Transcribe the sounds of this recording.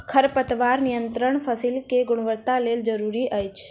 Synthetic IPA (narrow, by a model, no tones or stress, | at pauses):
kʰəɾpət̪ʋaɾnijənt̪ɾəɳ̃fəsilkeɡʊɽ̃ʋəɾt̪aleld͡ʒəɾuɾiʔəjt͡ʃʰ